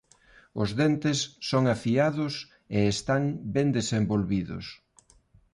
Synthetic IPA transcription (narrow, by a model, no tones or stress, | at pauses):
ʊzðɛnt̪ɪsːoŋafiaðʊs | eːst̪aŋbɛnd̪esembolβiðʊ̰s